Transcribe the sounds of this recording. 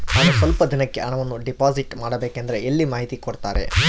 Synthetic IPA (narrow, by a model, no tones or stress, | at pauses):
naːnusʋɐlpɐd̪inɐkːe̞ʔɐɳɐʋɐnːuɖipaːziʈmaːɽɐbeːkend̪ɐɾeʔelːimaːɦit̪ikoɽt̪aːɾḛ